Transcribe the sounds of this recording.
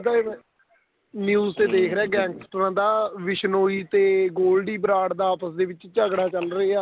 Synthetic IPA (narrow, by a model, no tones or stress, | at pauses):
t̪aɛ̃ | njuːzt̪eːd̪eːkʰɾeɛːɡɛ̃ːŋkst̪ɾãːd̪aːʋɪʃnoːiːt̪eːɡoːlɖiːbɾaːɽd̪aːaːpəsd̪eːʋɪt͡ʃt͡ʃəɡɽaːt͡ʃəlɾəeːaː